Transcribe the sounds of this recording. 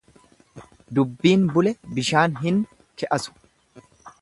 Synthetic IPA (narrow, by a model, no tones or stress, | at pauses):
d̪ʊbːiːnbʊlɛbɪʃaːnɦɪn | kɛʔɐsʊ̥